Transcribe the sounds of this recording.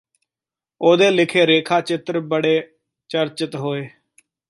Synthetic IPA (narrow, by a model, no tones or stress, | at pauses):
oːd̪eːlɪkʰeːɾeːkʰaːt͡ʃɪt̪ɾbəɽeː | t͡ʃəɾt͡ʃət̪ɦoːeː